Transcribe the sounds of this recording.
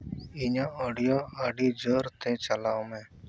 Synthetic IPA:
iːɲãːoːɖɪjoːaːɖiːd͡ʒoːɾt̪ʰẽːt͡ʃəlaːõːmẽː

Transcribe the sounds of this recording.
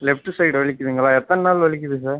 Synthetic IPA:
lɛfʈɯsɐɪɖʋɐɭɪkʲːɯðiːŋɡɐɭaːɛt̪ːɐnɐnaːlʋɐɭɪk̬ʲːɯðɯs̬aːɾ

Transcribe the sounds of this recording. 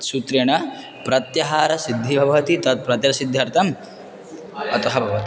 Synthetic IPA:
sut̪ɾeːɳɐ | pɾɐt̪jɐɦaːɾɐsid̪ʱːibʱɐʋɐʋɐt̪it̪ɐt̪̚pɾɐt̪jɐɐsid̪ʱːɐɾt̪ɐm | ɐt̪ɐɦɐbʱɐʋɐt̪i

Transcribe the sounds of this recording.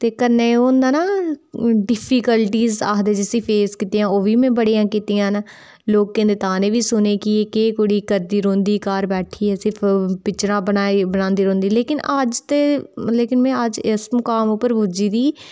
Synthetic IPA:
t̪eːkənːeːõːnd̪aːnaː | ɖɪpʰiːkəlʈiːza̰ːɦd̪eːd͡ʒəsiːpʰeːskɪt̪ijãːoːʋiːmẽːbəɽijãːkit̪ijãːnː | loːk̚kẽnd̪ɪt̪ãːneːʋiːsʊneːkɪeːkeːkoːɽiːkəɾd̪iːɾõːnd̪iːkaːɾbɛːʈʰiːɦɛːsɪɾpʰpɪt͡ʃɾãːbənaːibənãːnd̪iːɾõːnd̪iːleːkɪnəd͡ʒt̪eːleːkɪnmɛ̃ːəd͡ʒɪsmʊkaːmʊpːəɾbʱʊd͡ʒiːd̪iː

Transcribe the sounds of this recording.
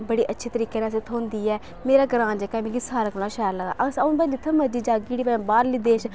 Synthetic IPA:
bəɽiːʔətːʃʰiːt̪əɾiːkeːnãs̬et̪ʰoːnd̪iːɛː | meːɾaːɡəɾãːnd͡ʒekaːmẽɡisaːɾəknãːʃaːɾləɡa̰ːʔəsaʊnpə̃d̪iːt̪ʰəməd͡ʒiːd͡ʒaːɡiːɽiːpɛbaːɾliːd̪eːt͡ʃ

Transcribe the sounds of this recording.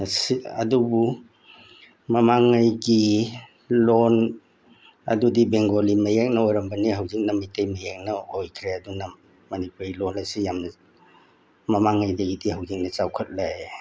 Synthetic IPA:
siɐ̰dubu | mɐmaŋːajɡi | lon | ɐ̰dudibeŋɡolimɐjek̚nɐojɾɐmbɐniɦawzik̚nɐmijtʰɐjmɐjek̚nɐojkʰɾeɐdunɐ | mɐnipuɾilonɐsijamnɐ | mɐmaŋːajdɐɡidihawzik̚nɐt͡ʃawkʰɐt̚laj

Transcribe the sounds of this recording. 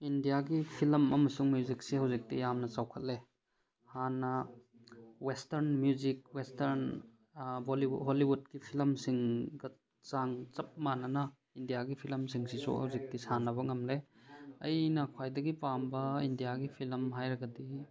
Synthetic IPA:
indijaɡipʰilmɐmɐsuŋmjuzik̚sihɐwzik̚tijamnɐt͡ʃawkʰɐt̚le | hanːɐ | westɐɾnmjuzik̚westʰɐɾn | boliɦoliwud̚kipʰilmsiŋɡɐ | t͡ʃaŋt͡ʃɐp̚manɐnɐ | indijaɡipʰilmsiŋsisṵhɐ̰wzik̚tisanɐβɐŋɐmleɐjnɐkʰwajdɐɡipambɐindijaɡipʰilmɦajɾɐɡɐdi

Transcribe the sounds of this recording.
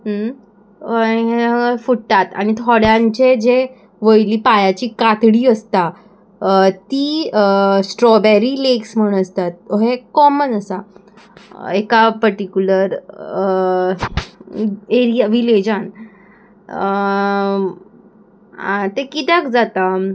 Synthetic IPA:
ɦə | əifuʈːat̪a̰ñit̪ʰɔɽjãɲt͡ɕed͡ʑe | ʋəjliːpajat͡ɕiːkat̪ɽiːəst̪a | t̪iː | sʈɾɔbeɾiːleksm̤əɽ̃əst̪at̪̚ɦekɔmənəsa | ekapəɾʈikʲjuləɾ | eɾijaʋiled͡ʑan | at̪ekit̪əkd͡zat̪a

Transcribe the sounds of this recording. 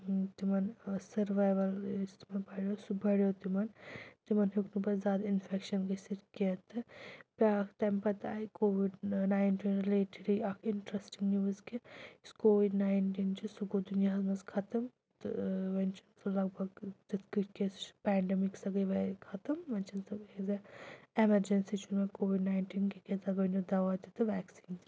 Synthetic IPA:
t̪imɐnsɐɾʋaːjʋɐlst̪imɐnpɐɽjosubɐɽjot̪imɐnt̪imɐnɦuknupɐzaːd̪infʰekʃɐnkɐsiɾkɐt̪ɨpʲaːkʰt̪ɐmpɐt̪a̰ːikoːʋiɖnaːjnʈiːnɾileːʈiɾiɐkʰiɳʈɾesʈiŋɡnuːzkiskoːʋiɖnaːɪɳʈiːnt͡ʃisuɡod̪unijaɦɐzmɐskʰɐt̪ɐm | t̪ʋɐnt͡ʃʰinsɐlɐɡbʱɐɡt̪it̪kikespɛːɳɖɛmiksɐɡɐʋɐkʰɐt̪ɐmʋɐnt͡ʃʰɐnsɐezɐemɐɾd͡ʒensit͡ʃunmekoːʋiɖnaːɪɳʈiːnkiket̪ɐɡɐnud̪ɐʋat̪it̪ɨʋɛːksiːnt̪

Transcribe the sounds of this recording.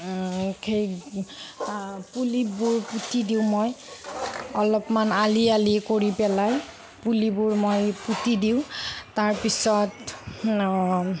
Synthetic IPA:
kʰej | pulibuɹputidiʊ̃moj | ɔlɔpmanalialikoɹipɛlaj | pulibʊɹmojputidiʊ̃taɹpisɔt

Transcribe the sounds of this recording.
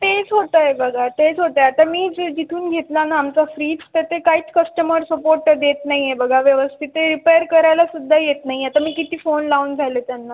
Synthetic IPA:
t̪et͡sɦoʈ̪əebəɡʱat̪et͡sɦoʈ̪əeat̪amiːd͡zd͡ʑit̪ʰuːnɡʱet̪lanaːmt͡safɾiːt͡st̪et̪ekaɦiːt͡skəsʈəməɾsəpoɾʈəd̪jet̪naɦiebəɡʱaʋjəʋəst̪ʰit̪eɾipeɾkəɾajlasud̪ʱːajet̪naɦiat̪amiːkit̪iːfonlauːnd͡zʱalet̪janːa

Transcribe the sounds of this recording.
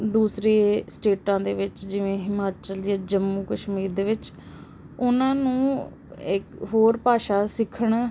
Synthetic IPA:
d̪uːsɾeːsʈeːʈãːd̪eːʋɪt͡ʃd͡ʒɪʋẽːɦɪmaːt͡ʃəljaːd͡ʒəmːuːkəʃmiːɾd̪eːʋɪt͡ʃ | ʊnãːnũː | ɪkɦoːɾpaːʃaːsɪkʰəɳ

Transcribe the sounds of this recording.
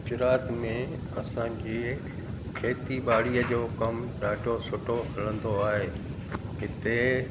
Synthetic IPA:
ʊd͡ʑɪɾaːt̪mẽ | ɐsãd͡ʑe | kʰeːt̪ibaːɽiəd͡ʑoːkɐmɗaːɖʱosʊʈoɦɐlə̃nd̪oaːɦeː | ɦɪt̪e

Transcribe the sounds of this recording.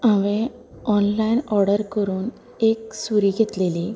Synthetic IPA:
ãʋẽ | ɔnlainɔɾɽəɾkəɾuːn | ek̚suɾiːɡʱet̪leli

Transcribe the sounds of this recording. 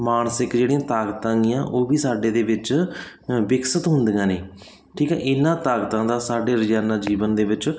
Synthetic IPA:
maːnsɪkd͡ʒeːɽĩãːt̪aːɡət̪ãːɪjãːʔoːbiːsaːɖeːd̪eːʋɪt͡ʃ | bɪksət̪ɦʊnd̪ɪjãːneː | ʈʰiːkɛ̰ːʔɪnãːt̪aːkət̪ãːd̪aːsaːɖeːɾəd͡ʒaːnaːd͡ʒiːʋənd̪eːʋɪt͡ʃ

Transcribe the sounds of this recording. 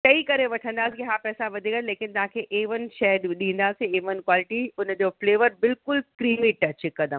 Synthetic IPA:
tɐikɐɾeʋɐʈʰə̃nd̪aːsikiɦaːpɛːsaʋɐd̪ʱiɡɐnleːkɪnt̪ɐɦãkʰeːʔeːʋən̆ʃɛːd̪ɗĩːnd̪aːsẽeːʋən̆kwaːlɪʈiʊnd͡ʑoːfleːʋəɾbɪlkʊlkɾiːmiʈɐt͡ɕɪkɐd̪əm

